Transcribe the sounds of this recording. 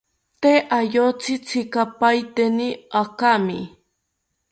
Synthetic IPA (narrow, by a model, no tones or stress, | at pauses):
t̪eʔaʎot͡sɪt͡sʰɪkapajt̪enɪakamɪ